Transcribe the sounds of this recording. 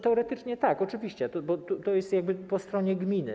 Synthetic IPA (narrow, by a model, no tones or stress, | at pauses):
t̪ɛɔɾɛt̪ɘt͡ʂɲɛt̪akɔt͡ʂɘvʲiɕt͡ɕɛt̪ɔbɔt̪ut̪ɔjɛst̪jaɡ̚bɘpɔst̪ɾɔɲɛɡmʲinɘ̰